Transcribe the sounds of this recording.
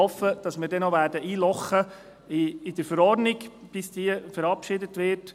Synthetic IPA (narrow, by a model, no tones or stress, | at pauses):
ɔfəd̥ɑsmɪːɾdɛnoʋæːɾdəʔiːlɔχːə | ɪɪd̥əɾfəɾɔrdnɪɡb̥ɪsd̥̪iəfəɾɑpʃɪdətʋɪt